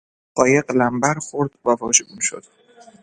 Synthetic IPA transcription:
ɢ̥ɒːjeɢlæmbæɾxo̞ɾd̪̥vævɒːʃeɡuːnʃo̞̰d̪̥

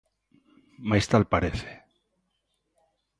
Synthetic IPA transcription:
majst̪alpaɾeθe̥

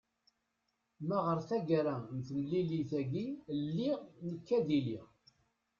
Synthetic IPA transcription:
mæʁəɾθæɡɾænθəməliliθæɡilːiʁnəkːæðilḭ

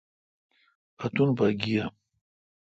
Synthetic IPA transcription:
ɐt̪unbaɡija

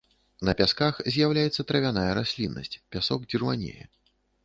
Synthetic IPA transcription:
nɐpʲaskaxzʲjawlʲajɛt̪sːɐt̪ɾɐvʲanajɐɾasʲlʲinːɐ̰sʲt͡sʲpʲasɔɡ̚d͡zʲirmanʲḛjɛ̰

